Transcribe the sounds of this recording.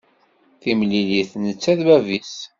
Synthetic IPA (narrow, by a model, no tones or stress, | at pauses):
θimliliθnət͡sːæðbævis